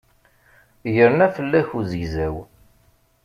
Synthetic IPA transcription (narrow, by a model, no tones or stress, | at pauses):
jəɾnæfəlːæçuzəʝzæw